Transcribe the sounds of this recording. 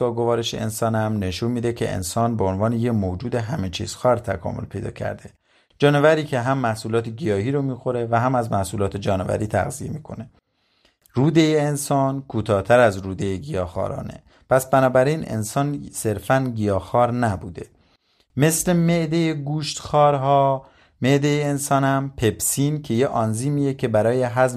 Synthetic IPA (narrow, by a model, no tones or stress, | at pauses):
ɒːɡo̞vɒːɾeʃeḛnsɒːnhæmne̞ʃuːnmiːd̪ecʰe̞̰ʔḛnsɒːnbeonvɒːne̞jemoːd͡ʒuːd̪e̞ɦæme̞t͡ʃʰḭːz̥xɒːɾt̪ʰækʰɒ̰ːmo̞̰lpʰe̞̰jd̪ɒ̰ːcʰæ̰ɾd̪e | d͡ʒɒːne̞væɾiːcʰe̞ɦæmːæhsuːlɒːt̪ʰeɡijɒːɦiːɾomiːxo̞ɾe̞væɦæmæzmæhsuːlɒːt̪ʰed͡ʒɒːnevæ̰ɾiːt̪ʰæ̰ɣzije̞miːkʰo̞̰ne̞ | ruːd̪ejeːnsɒːnkʰuːt̪ʰɒːt̪ʰæɾæzɾuːd̪e̞jeɡijɒːxɒ̰ːɾɒ̰ːnḛ | pʰæsbænɒːbæɾinḛnsɒːnse̞ɾfænɡijɒːxɒːɾnæbuːd̪e̞ | me̞sle̞meʔd̪ejeɡuːʃt̪xɒːɾɦɒː | me̞ʔd̪ejeːnsɒːnhæmpʰe̞bsiːncʰe̞jeʔɒnziːmiːjecʰe̞bæɾɒːje̞ɦæz